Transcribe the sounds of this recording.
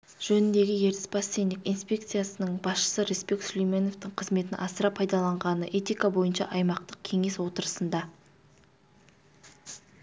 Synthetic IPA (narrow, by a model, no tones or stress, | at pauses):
ʒ̥ɵnɪnd̪e̞ɡʲɪje̞ɾt̪ɪ̥spɑsːend̪ɪkʲijnspʲe̞k̚t̪sɨjasənəɴbɑsʃə̥səɾespe̞kslʲijme̞no̞ft̪ɪqʰəzme̞t̪ɪnʔɑsəɾɑpʰɑjd̪ɑlˠɑɴʁɑnəʔe̞t̪ijkabo̞jənʃɑ̰ʔɑjmɑq̚t̪əq̚kʲʰe̞ŋe̞swo̞t̪əɾəsənd̪ɑ